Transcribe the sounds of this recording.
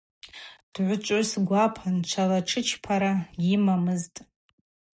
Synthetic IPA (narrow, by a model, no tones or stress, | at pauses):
d̥ʕʷʊt͡ʃʷʼʊsɡʷapʰant͡ʃʷʰalaʈ͡ʂʰɨt͡ʃʰpʰaɾaimamɨztʼ